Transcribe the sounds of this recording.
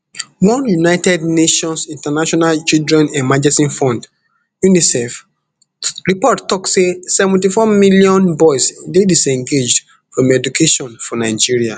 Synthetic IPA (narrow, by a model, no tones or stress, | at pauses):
wɔ̃njunaɪtɛdneʃɔ̃nsĩntanaʃɔnalt͡ʃildɹɛ̃nɛ̃nmad͡ʒɛsĩnfɔ̃nd | junisɛf | ɹipɔttːɔksesɛvɛ̃ntifɔmilijɔ̃nbɔɪsdedisɛ̃ŋɡed͡ʒd | fɹɔ̃mɛdukʰeʃɔ̃nfɔnaɪd͡ʒiɹia